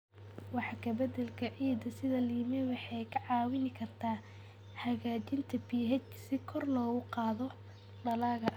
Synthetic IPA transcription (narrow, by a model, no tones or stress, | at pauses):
wɑħɑkʰɐbɛd̪ɛlkʰɐʕiːd̪ɐsɪðɐliɪmɛwɑħɑjkʰɐʕɑːwɪnɪkʰɐrt̪ʰaː | hɐɣaːt͡ʃɪnt̪ʰɐbiːɦɛt͡ʃsɪkʰɔrlɔːɣʊqɑːðɔ | ɖɐlaːɣɐʔ